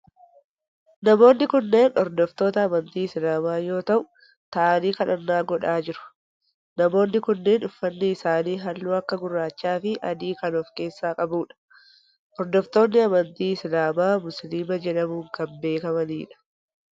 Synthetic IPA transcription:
nɐmo̞ːnːɪkʊnːe̞ːnɔɾd̪ɔft̪o̞ːt̪ɐːmɐnt̪iːɪsɪlaːmaːjo̞ːt̪ɐʔʊ | t̪ɐaːniːkɐᶑɐnːaːɡɔᶑaːd͡ʒɪɾʊ̥ | nɐmo̞ːnːɪkʊnːe̞ːnʊfːɐnːɪːsaːniːɦɐlːuːɐkːɐɡʊrːaːt͡ʃːaːfɪʔɐd̪iːkɐnɔfke̞ːsːaːkʼɐbuːᶑɐ̥ | ʔɔɾd̪ɔft̪o̞ːnːɪɐmɐnt̪iːɪsɪlaːmaːmʊsliːmɐd͡ʒɛᶑɐmuːŋkɐmbe̞ːkɐmɐniːᶑɐ̥

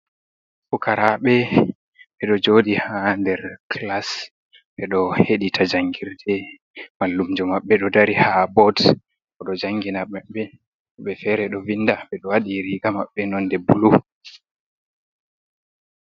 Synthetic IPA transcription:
fɔkʰaɾʔaɓɛ | ɓɛɗɔd͡ʒoːdihandɛɾkʰlas | ɓɛɗɔheɗitʰad͡ʒaŋɡiɾdɛ | malːumd͡ʒɔmaɓːɛɗɔdaɾihabɔd | kɔɗɔd͡ʒaŋɡinaɓɛɓɛ | ɓɛfɛɾɛɗɔvinːdaɓɛɗɔwaɗiɾiɡama̰ɓːɛnɔndɛbulu

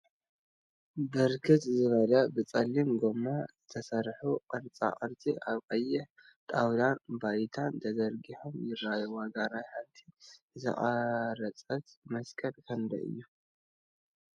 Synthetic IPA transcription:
bɐɾkʰɨt̪ʼzɨβɐlabɨt͡sʼɐlːimɡomazɨt̪ʰɐsɐɾħuqʼɨɾt͡sʼa̰qʼɨɾt͡sʼiʔaβqʼɐjːɪħ | t̪ʼawd̪anbajt̪ʰant̪ʰɐd̪ɐɾɡiħomjɪrːajuwaɡanajħant̪ʰi | zɐ̰χʼɐɾɐt͡sʼɐt̪mɐskʰɐlkʰɐnd̪ɐ̰ʔɨ̰jːu

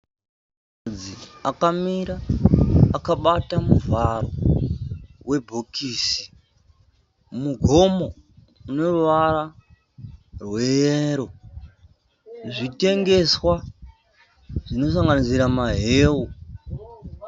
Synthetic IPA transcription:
kad͡ziakamiɾaː | kaɓatamuvaɾo̰ | we̞bʱokiːsi̥ | muɡʱo̞mo̞ | uno̞ruʋara | rwe̞jeɾo̞ | ʐite̞ŋɡe̞swa | ʐ̥ino̞s̬aŋɡanisiɾamaɦeːwu

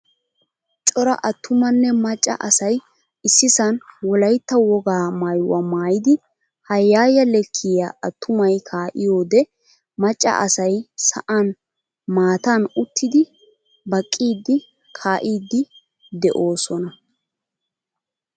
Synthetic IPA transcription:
t͡ʃʼɔɾɐ̰ʔɐt̪ːʊmɐnːɛmɐt͡ʃʼːɐ̰ʔɐsɐj | ɪsːɪsɐnwɔlɐjt̪ːɐwɔɡaːmajwɐ̰maːjɪd̪ɪ | hɐjːaːjɐlɛkʰːɪjaʔɐt̪ːʊmɐjkʰaːʔɪjo̞ːd̪ɛ | mɐt͡ʃʼːɐ̰ʔɐsɐjsɐ̰ʔɐn | maːt̪ɐnʊt̪ʰːɪd̪ɪ | bɐkʼːiːd̪ːɪ | kʰaːʔiːd̪ːɪ | d̪ɛʔo̞ːsɔnɐ

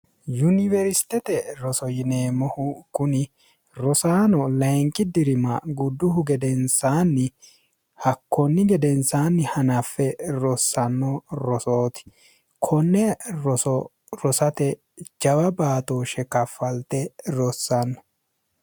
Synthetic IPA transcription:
jʊnɪvɛɾst̪ɛt̪ɛɾɔsɔjɪneːmɔhʊkʊnɪ | ɾɔsaːnɔlɐjŋkʼːɪd̪ɪɾɪmɐɡʊd̪ːʊhʊɡɛd̪ɛnsaːnːɪ | hɐkːɔnːɪɡɛd̪ɛnsaːnːɪhɐnɐfːɛɾɔsːɐnːɔɾɔsoːt̪ɪ̥ | kʰɔnːɛɾɔsɔ | ɾɔsɐt̪ɛ | d͡ʒɐwɐbaːt̪oːʃɛkɐfːɐlt̪ɛɾɔsːɐnːɔ

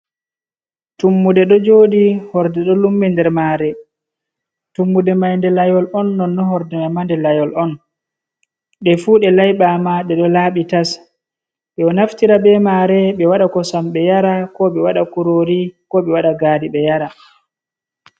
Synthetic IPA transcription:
tumːudɛɗɔd͡ʒoːɗihɔɾdɛɗɔlumːɛndɛɾmaːɾɛ | tumːudɛmajndɛlajɔlɔnːɔnːɔhɔɾdɛmamandɛlajɔlɔn | ɗɛfuɗɛlajɓamaɗɛɗɔlaːɓitas | ɗɛɔnaftiɾaɓɛmaɾɛɓɛwaɗakɔsamɓɛjaɾakɔɓɛwaɗakuɾoɾikɔɓɛwaɗaɡaːdiɓɛjaɾa

